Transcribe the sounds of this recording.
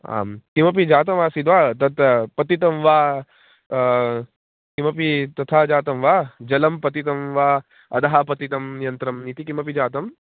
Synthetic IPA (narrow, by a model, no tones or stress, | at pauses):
a̰ːmkimɐpid͡ʒaːt̪̬ɐmʋaːsid̪ʋaːt̪ɐt̪pɐt̪it̪̬ɐmʋaː | kimɐpit̪ɐt̪ʰaːd͡ʒaːt̪ɐmʋaːd͡ʒɐlɐmpɐt̪it̪̬ɐmʋaː | ɐ̰d̪ɐɦapɐt̪it̪ɐmnijɐnt̪ɾɐmnit̪ikimɐpid͡ʒaːt̪ɐm